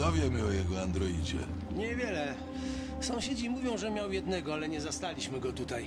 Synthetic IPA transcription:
ɔvʲjɛmɘɔjɛɡɔand̪ɾɔid͡ʑɛ̰ | ɲɛvʲjɛlɛ | sɔ̃w̃ɕed͡ʑimuvʲjɔ̃w̃ʐɛmʲjawjɛd̪nɛɡɔalɛɲɛzast̪alʲiɕmɘɡɔt̪ut̪aj

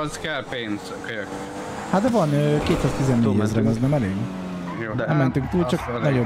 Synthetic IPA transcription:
zkɛlpeːnz | køjk | hat̪̚d̪ɛvɒnøːkeːt̪saːzt̪izɛnːeːɟɛzrɛnɛznɛmɛleːɡ̪ | nɛmːɛnt̪yŋkt̪uːlt͡ʃɒknɛɟo

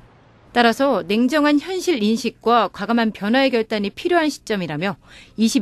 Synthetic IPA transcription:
t͈aɾasʰʌne̞ŋd͡ʑʌŋɦançjʌnɕʰiɾinɕʰik̚k͈wakwaɡamanpjʌnɦwaeɡjʌɭt͈aɲipʰiɾjoɦanɕʰi̥t͡ɕ͈ʌmiɾamjʌiɕʰib

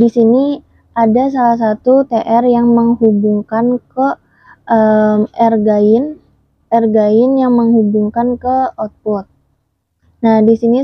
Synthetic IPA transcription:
disini | ʔadas̬alahs̬at̪ut̪eʔɛrjaŋməŋɦubuŋkankə | əmɛrɡaɪn | ɛrɡaɪnjaŋməŋhubuŋkankəɔt̪̚pɔt̪̚ | nahdisini

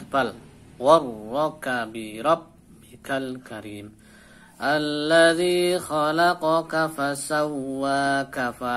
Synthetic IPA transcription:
bal | wɑɾˤɔkabɪɾˤɑbː | ɪkalkʰaɾiːm | ʔalːaðiːxalɑqɑkafasawːaːkafa

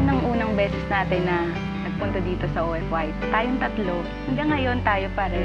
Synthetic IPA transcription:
nɐŋʔuːnɐŋbɛːsɛsnaːt̪ɪnːɐ | nɐɡ̚pʊnt̪ɐd̪iːt̪o̞sɐʔoːʔɛfwajt̪t̪aːjoŋt̪ɐt̪lo̞ | hɐŋɡɐŋːɐjo̞nt̪aːjopaːɾɛ

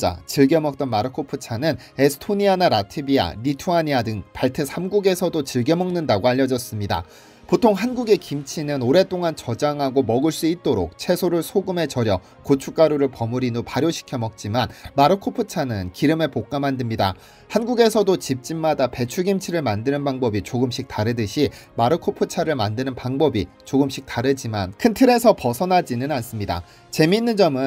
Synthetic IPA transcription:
a̰t͡ɕiɭɡemʌk̚t͈ʌnmaɾɯkʰopʰɯt͡ɕʰanɯn | e̞sʰtʰoɲianaɾatʰibia̰ɾitʰuaɲiadɯŋpaɭtʰesʰamɡuɡe̞sʰʌdot͡ɕiɭɡe̞mʌŋnɯndaɡoaʎːʌd͡ʑʌs͈ɯmɲida̰ | potʰoŋɦanɡuɡe̞kimt͡ɕʰinɯnoɾe̞t͈oŋant͡ɕʌd͡ʑaŋɦaɡomʌɡɯɭs͈uit̚t͈oɾo̰k̚t͡ɕʰe̞sʰoɾɯɭsʰoɡɯme̞t͡ɕʌɾjʌ | kot͡ɕʰuk͈aɾoɾɯɭpʌmuɾinopaɾjoɕʰi̥kʰjʌmʌk̚t͡ɕ͈imanmaɾɯkʰopʰɯt͡ɕʰanɯnkiɾɯme̞pok͈amandɯmɲida̰ | hanɡuɡe̞sʰʌdot͡ɕip̚t͡ɕ͈imːadape̞t͡ɕʰuɡimt͡ɕʰiɾɯɭmandɯnɯnbaŋbʌbit͡ɕoɡɯmɕ͈ʰik̚t͈aɾɯdɯɕʰimaɾɯkʰopʰɯt͡ɕʰaɾɯɭmandɯnɯnpaŋbʌbi | t͡ɕoɡɯmɕ͈ʰik̚t͈aɾɯd͡ʑimankʰɯntʰɯɾe̞sʰʌpʌsʰʌnad͡ʑinɯnans͈ɯmɲida̰ | t͡ɕe̞minːɯnd͡ʑʌmɯ

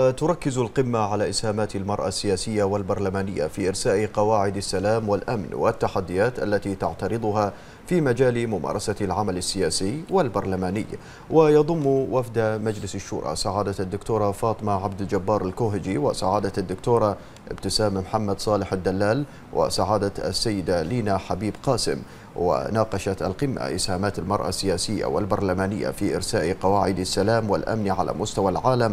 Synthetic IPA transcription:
t̪ʊɾˤɑkːɪzalqɪmːaʕalaʔɪshaːmaːt̪almɑɾˤʔa̰sːɪjaːsɪjːawɪlbɑɾˤlamaːnɪjːa̰fiʔɪɾsaːʔqɑwaːʕɪd̪asːalaːmwɪlʔamnwɪ̰t̪ːaħad̪ːɪjaːt̪ʔa̰lːat̪it̪aʕt̪ɑɾɨd̪ˤʊɦa | fiːmad͡ʒaːlmʊmɑ̰ːɾˤɑsalʕamalasːɪjaːsɪjːwɪlbɑɾˤlamaːnɪjː | wɪjɑðˤʊmːwafd̪amad͡ʒlɪsaʃːʊ̰ːɾˤʔɑ̰saʕaːd̪ad̪ːʊkt̪uːɾˤɑfɑːt̪ˤɨmaʕabd̪ɪld͡ʒabːɑːɾˤalkuːɦɪd͡ʒiwɪsaʕaːd̪aad̪ːʊkt̪uːɾˤɑ | ʔɪ̰bt̪ɪsaːmmħamːad̪sˤɑːlɪħad̪ːalːaːl | wʔɪ̰saʕaːd̪aa̰sːajːɪd̪aliːnaħabiːbqɑːsɪ̰m | wɪ̰nɑːqɑʃat̪a̰lqɪmːa̰ʔɪshaːmaːt̪almɑɾˤʔa̰sːɪjaːsɪjːa̰wɪ̰lbɑɾˤlamaːnɪjːa̰fiʔɪɾsaːʔqɑwaːʕɪd̪asːalaːmwɪ̰lʔa̰mniʕa̰lʔa̰mʊst̪awalʕaːlam

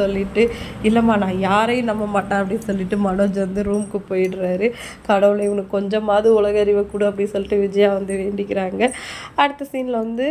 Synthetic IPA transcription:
ɔlːɪʈːɯɪlːɐmaːnãːjaːɾɐj̃nɐmːɐmaːʈːãːɐp̬ːɐɽɪsɔlːɪʈːɯmɐnoːd͡ʒʋɐnd̪ɯɾuːmkɯpoːjɪʈːɾaːɾɯ | kɐɽɐʋɯlɐɐnːɐkːɔɲd͡ʒɐ̃maːðiʊɭɐɣɐɐɾɪʋɐkːuːɽɐɐpːɐɽisɔlːɪʈːɯʋɪd͡ʒɐjaːʋɐnd̪ɯʋeːɳɖɪkːɪɾaːŋɡɐɐɽɯt̪ːɐsiːnlɐʋɐnd̪ɯ

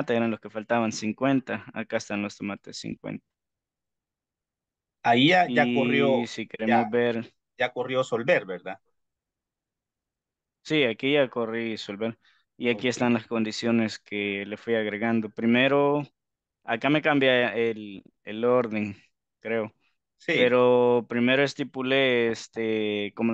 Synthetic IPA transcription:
at̪eeɾanloske̞falt̪aβansiŋkwe̞nt̪aa̰kaest̪anlost̪omat̪esḭŋkwḛnt̪ḁ | aiʝaiaorjosikeɾemozβeɾ | ʝakorjosolbeɾbeɾða | siakiʝako̞riso̞lβe̞ɾ | iakie̞st̪anlasko̞nd̪isjo̞ne̞skʰele̞fwiaɣɾe̞ɣand̪o̞pɾime̞ɾo | akame̞kambjael | elo̞ɾðe̞ŋ | kɾe̞o | sipeɾopɾime̞ɾoest̪ipuleest̪ekomo

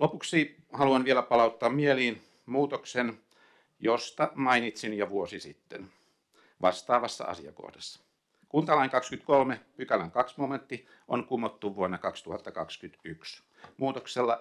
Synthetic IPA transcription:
lopuksiː | hɑluɑnʋielæpɑlɑut̪ːɑːmmieliːn | muːt̪oksen | jost̪ɑmɑinit̪sinjɑʋuosisḭt̪ːḛn | ʋɑ̰st̪ɑːʋɑsːɑ̰ɑ̰sḭɑ̰ko̰hdɑsːɑ̥ | kunt̪ɑlɑiŋkɑkskyt̪kolmepykælæŋkɑksmoment̪ːi | ʔo̰nkumːot̪ːuʋuonːɑkɑkst̪uhɑt̪ːɑkɑkskyt̪yks | muːt̪okselːɑ

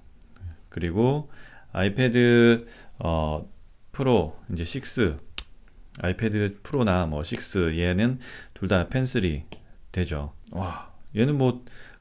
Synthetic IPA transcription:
kɯɾiɡoa̰ipʰedɯ | ʌ | pʰɯɾoind͡ʑe̞ɕʰik̚s͈ɯ | a̰ipʰe̞dɯpʰɯɾonamwʌɕʰik̚s͈ɯienɯntuɭdapʰe̞nsʰɯɾitwe̞d͡ʑowaienɯnmʌ

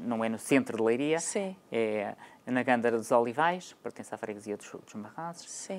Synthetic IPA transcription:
nɐ̃w̃ɛnusẽnt̪ɾuðɨlˠɐjɾiɐsĩɛnɐɣɐ̃nd̪ɐɾɐðuzɔlˠivajʃpɾt̪ẽsafɾɛɣziot̪ɾu̥ʃot̪ɾuʒmɐʁazu̥ʃsĩ

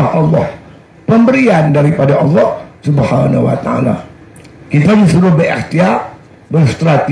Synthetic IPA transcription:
aɦʔɑlːɔh | pəmbəɾiandaɾipadaʔɑlːɔhsubhanahuwa̰t̪a̰a̰la̰ | kit̪adisuɾʊhbəɛ̰rt̪ia | bərst̪ɾat̪i

